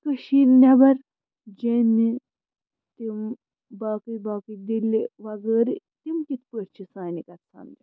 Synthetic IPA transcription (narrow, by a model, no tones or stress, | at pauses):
kəʃiːnnʲɐbɐɾ | d͡ʒeni | t̪im | baːkɨbaːkɨd̪ilːiʋɐɡəːɾi | t̪imkit̪pəɾt͡ʃʰisaːnikɐt̪sɐ̰md͡ʒ̪i